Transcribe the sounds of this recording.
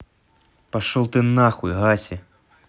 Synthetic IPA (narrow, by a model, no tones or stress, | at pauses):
paʂɔwˠt̪ɨnaxuḭɣasʲɛ